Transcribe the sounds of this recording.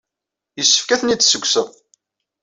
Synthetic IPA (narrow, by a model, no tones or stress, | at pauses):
jəsːə̥fkæθənit͡sːsəɡʷːsəðˤ